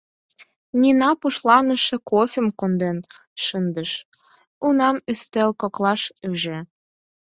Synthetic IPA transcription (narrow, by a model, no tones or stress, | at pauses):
nʲinɑpuʃlˠɑnə̆ʃĕkofʲĕmkond̪en | ʃənd̪ə̆ʃ | unɑmyst̪ĕlkɤklɑʃyʒe